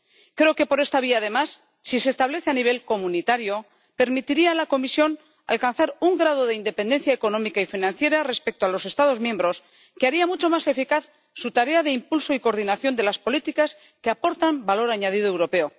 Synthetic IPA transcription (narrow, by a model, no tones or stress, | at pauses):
kɾe̞oke̞po̞ɾe̞st̪aβ̞iaðe̞masː | ise̞ːst̪aβ̞le̞θeaniβ̞e̞lko̞munit̪aɾjo̞ | pe̞ɾmit̪iɾialako̞misjo̞n | a̰lkanθaɾuŋɡɾað̞o̞ð̞e̞ind̪e̞pe̞nd̪e̞n̟θjaeko̞nõ̞mikaifinãnθje̞ɾare̞spek̚t̪oalo̞se̞st̪að̞o̞zmjembɾo̞s | keaɾiamut͡ʃo̞mase̞fikaθ | sut̪aɾe̞aðe̞impulso̞iko̞ɾðinaθjo̞nd̪e̞laspo̞lit̪ikas | keapo̞ɾt̪ambalo̞ɾaɲað̞ið̞oe̞wɾo̞pe̞o̞